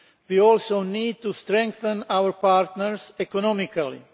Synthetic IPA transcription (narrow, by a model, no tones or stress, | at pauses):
wiɔlsoʊniːd̚t̪ust̪ɾɛ̃ŋkθə̃nawəɹpaɾt̪nəɹsɛkɔnɔmikali